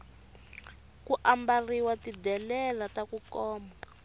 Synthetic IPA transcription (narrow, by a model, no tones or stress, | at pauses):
kuʔambariwatidɛlɛlatakukɔːma